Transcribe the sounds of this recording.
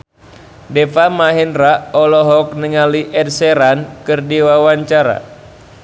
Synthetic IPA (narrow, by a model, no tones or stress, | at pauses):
dɛfamaɦɛnraɔlɔɦɔk̚nəŋaliʔɛdsɛɾankɨrdiwawaɲt͡ʃaɾa̰